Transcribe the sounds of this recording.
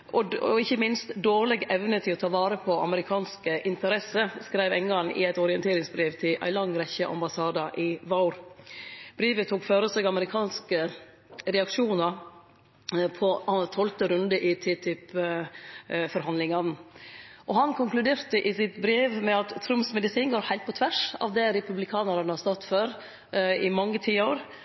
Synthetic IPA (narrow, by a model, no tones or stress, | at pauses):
ʔɔɔ̰ɪçːəmɪnst̪d̪oːʁlɛɡɛʋnət̪ʰɪlɔt̪ʰɑːʋɑːɾəpʰɔɑ̰məɾɪkʰɑːnskəʔɪnt̪əɾɛsəskɾæɪʋɛŋːɑnɪ̰æɪt̪ɔɾɪənt̪ʰeːɾɪŋsbɾiːʋt̪ʰɪʔæ̰ɪlɑŋːɾɛçəʔɑ̰mbɑsɑːd̪ɑʔɪʋɑʊɾ | b̥ɾiːʋət̪ʰuːkføːɾəsɛɡɑməɾɪkʰɑːnskə | ɾɛɑkʂuːnɑɾ | pʰɔɑnt̪ʰɔlt̪əɾʉnd̪əʔɪt̪ʰɪt̪ʰʏp | fɔɾhɑnd̪lɪŋɑn | ʔɔhɑnkʰʊŋklʉd̪eːɾt̪əʔɪsɪt̪bɾeːʋmɛɑt̪ʰːɾʉmpsmɛd̪ɪsiːnɡoːɾhæɪlt̪̚pɔt̪ʰʋæʂɑ̰ːʋd̪ɛɾɛpʉblɪkʰɑːnəɾɑnəhɑst̪ɑt̪ːføːɾ | ɪmɑŋːət̪ʰiːoːɾ